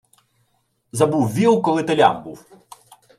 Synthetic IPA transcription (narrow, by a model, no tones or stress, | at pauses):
zɐbuwʋʲilˠkɔlˠɪt̪ɐlʲa̰mbuw